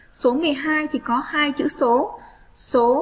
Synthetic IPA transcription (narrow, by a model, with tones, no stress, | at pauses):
so˨˦mɨ˨˩əjɦaː˧jt̪ʰi˨˩kɔ˨˦haː˧jt͡ɕɨ̰˧˥so˨˦ | so˨˦